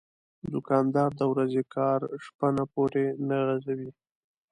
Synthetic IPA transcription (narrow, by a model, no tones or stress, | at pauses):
d̪ʊkɑnd̪ɑɾd̪əwɾazekʰɑɾʂpanapoɾenaɣazawi